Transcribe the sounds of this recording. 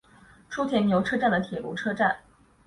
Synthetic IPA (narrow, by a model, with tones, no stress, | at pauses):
ʈ͡ʂʰu˥t̪ʰjɛ˧˥nnjo˧˥ʊʈ͡ʂʰɤ˥ʈ͡ʂa˥˩nd̪ə˩t̪ʰjɛ˨˩lṵ˧˥ʈ͡ʂʰɤ˥ʈ͡ʂa˥˩n